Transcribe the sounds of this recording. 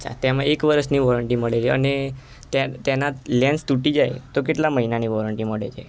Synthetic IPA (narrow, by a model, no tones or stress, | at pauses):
ət͡ɕʰa̰t̪jamaekʋəɾəsniʋɔɾəɳʈĩməɽed͡ʒeəne | t̪jat̪janat̪lɛ̃nst̪uʈid͡ʑajt̪ok̬iʈlaməɦinaniʋɔɾəɳʈĩməɽḛd͡ʒa̰